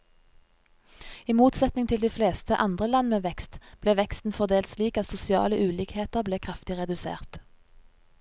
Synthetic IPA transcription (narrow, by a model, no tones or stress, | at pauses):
iːmuːt̪sɛt̪nɪŋt̪ʰɪld̪iːfleːst̪əʔɑnd̪ʁəlɑnmeːʋɛkst̪b̥leːʋɛkst̪n̩fɔʁd̪eːlt̪sliːkɑt̪sʊsɪɑ̰ːləʔʉːliːkheːt̪əʁbleːkʰʁɑft̪ɪʁɛd̪ʉsḛːʁt̪